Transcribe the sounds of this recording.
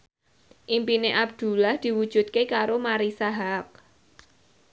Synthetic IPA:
ʔimpineʔab̚d̪̥ṳlahd̪̥i̤wud̥ʒ̥ṳt̪̚kekaɾomaɾisaɦak̚

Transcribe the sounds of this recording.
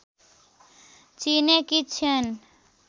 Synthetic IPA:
t͡ʃinekit͡ɕʰən

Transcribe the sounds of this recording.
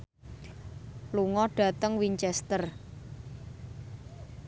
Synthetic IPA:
luŋɔɖ̥ä̤t̪əŋwiɲt͡ʃɛst̪ər

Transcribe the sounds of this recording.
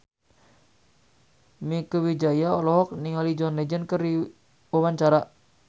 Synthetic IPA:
mikəwid͡ʒajaɔlɔɦɔk̚niŋɔlid͡ʒɔnlɛd͡ʒənkəri | wawaɲt͡ʃaɾa

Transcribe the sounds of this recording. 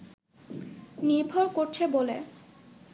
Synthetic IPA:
niɾbʱoɾkoɾt͡ɕʰebole

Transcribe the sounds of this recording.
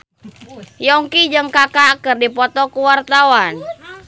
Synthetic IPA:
jɔŋkid͡ʒɨŋkakakərdipɔt̪ɔkuwart̪awan

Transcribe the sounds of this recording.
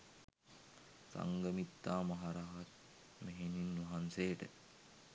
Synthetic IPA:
sa̰ŋɡəmit̪ːaːmɐɦaɾaɦat̪̚ | meɦeninːʋɐɦansejʈə̰

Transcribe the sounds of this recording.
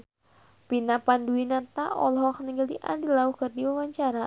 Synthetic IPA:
pinapanduinat̪aʔɔlɔɦɔkniŋɡəliʔa̰ndilauhkərdiwawaɲt͡ʃaɾa

